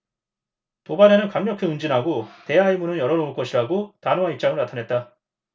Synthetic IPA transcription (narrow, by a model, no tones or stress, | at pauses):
tobaɾe̞nɯnkaŋɲʌkʰiɯnd͡ʑinɦaɡote̞aimunɯnjʌɾʌnouɭk͈ʌɕʰiɾaɡotanoaip̚t͡ɕ͈aŋɯɭnatʰanɦe̞t̚t͈a